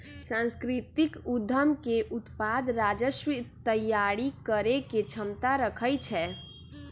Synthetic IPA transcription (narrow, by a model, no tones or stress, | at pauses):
sãnskɾit̪ikud̪ʱːəmkeʔut̪pad̪ɾad͡ʒəʃwit̪əjːaɽikəɾeket͡ʃʰəmt̪aɾəkʰəjt͡ʃʰɛ